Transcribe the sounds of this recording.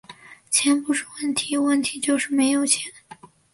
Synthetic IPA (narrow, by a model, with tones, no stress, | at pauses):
t͡ɕʰjɛ˧˥npu˧˥ʂu˥˩wə˥˩nt̪ʰi˧˥wə˥˩nt̪ʰi˧˥t͡ɕjo˥˧ʊʂɻ̩˥˩me˧˥ɪjo˨˩ʊt͡ɕʰjɛ˧˥n